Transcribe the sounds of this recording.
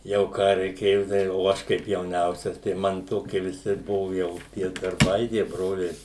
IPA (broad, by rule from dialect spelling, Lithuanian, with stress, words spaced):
jɛʊ ˈkɑː rʲɛɪˈkʲeːjoː tɐɪ oː ˈɐʃ kɐɪp jɛʊˈnʲɛʊsʲɛs tɐɪ ˈmɐn ˈtoːkʲiɛ ʋʲɪˈsʲɪ ˈbʊʋʊ ˈjɛʊ tʲiɛ dɐrˈbɐɪ tʲiɛ ˈbroːlʲɛɪ